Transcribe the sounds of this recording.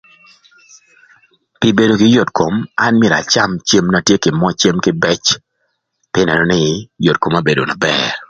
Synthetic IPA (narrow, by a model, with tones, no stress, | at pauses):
pɪ˨be˨do˨kɪ˦jo˨tko˨ma˦nmɪ˦˨ɾa̰˨t͡ʃa˦mt͡ʃe˦mna˨tje˦kɪ˨mɔ˦t͡ʃe˦mkɪ˦bɛ˦t͡ʃ | pɪ˦nɛ˨nɔ˦nɪ˦jo˨t̚ko˨ma˦be˨do̰˨na˨bɛ˦